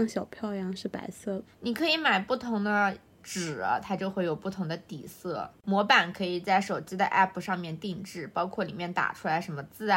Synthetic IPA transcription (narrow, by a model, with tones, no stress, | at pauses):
ŋɕjɑ˨˩ʊpʰjɑ˥˩ʊjɑ˥ŋʂɻ̩˥˩pa̰˧˥ɪsɤ˥˩ni˨˩kʰɤ˧˥i˧˥ma˨˩ɪpu˥˩t̪ʰʊ˧˥ŋd̪ə˧ | ʈ͡ʂɻ̩˨˩ə̰˦t̪ʰa˥t͡ɕjo˥˧ʊxwe˥ɪjo˨˩ʊpu˥˩t̪ʰʊ˧˥ŋd̪ə˧t̪ḭ˨˩sɤ˥˩mwɔ˧˥pa˨˩nkʰɤ˧˥i˨˩t͡sa˥˩ɪʂo˨˩ʊt͡ɕi˥d̪ə˧ʔɛ̰˥˩pʰu˨˩ʂɑ˥˧ŋmjɛ˥˧nt̪i˥˧ŋʈ͡ʂɻ̩˥˩pɑ˥ʊkʰwɔ˥˩lḭ˨˩mjɛ˥˩nt̪a̰˨˩ʈ͡ʂʰu˥la˧˥ɪʂə˧˥nmə˧t͡sɹ̩˥˩